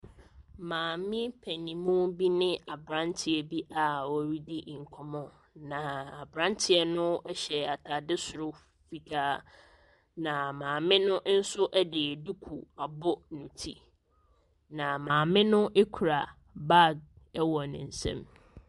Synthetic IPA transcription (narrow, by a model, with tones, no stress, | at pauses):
mãː˨mɪ̃˦pʰæ˨nĩ˨mũ˦bi˦nɪ̃˦a˨bɾã˦ntʰɪ˨ɛ˨bi˦ʔa˨wɔ˦ɾi˦dɪ˦˨ŋ̩˨kʰɔ˨mɔ̃˨ | nã˨a˨bɾã˦ntʰɪ˨ɛ˦nʊ̃˦ɛ˦ɕɛ˨a˨tʰa˨dɪ˦sʊ˨ɾʊ˦ | fi˨kʰaː˦ | nã˨mãː˨mɪ̃˦nʊ̃˦n̩˦sʊ˦ʔɛ˦dɪ˨du˦kʰu˨a˨bʊ˦nʊ̃˨tʰi˦ | nã˨mãː˨mɪ̃˦nʊ̃˦ʔe˦kʰu˨ɾa˨ | ba˦˨ɡ̚ɛ˦wɔ˨nɪ̃˨n̩˨sɛ̰̃˦m